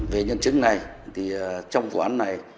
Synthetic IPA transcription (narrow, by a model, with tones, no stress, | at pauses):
ve˨˩ɲə˧˩nt͡ɕɨ˦˥ŋ̚na˨˩j | t̪ʰi˨˩˨t͡ɕɔ˧wŋ͡mvṵ˨˩ʔaː˨˧˦nːa˨˩j